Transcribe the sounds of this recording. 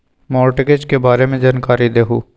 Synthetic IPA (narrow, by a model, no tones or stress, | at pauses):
mɔːɾʈɪked͡ʒkebaːɾemẽd͡ʒaːnkaːɾid̪eːɦuː